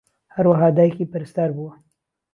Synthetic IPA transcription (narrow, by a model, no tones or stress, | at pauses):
haɾwaɦɑːd̪ɑːjkiːpɨɾɨst̪aːɾbuwɐ